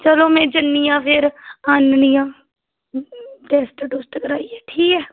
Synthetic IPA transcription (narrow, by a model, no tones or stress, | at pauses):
t͡ʃəloːmɛ̃ːd͡ʒənːijãːpʰɪɾaːnnɪjãː | ʈɛːst̪ɖʊːst̪kəɾaːieːʈʰiːkɦɛː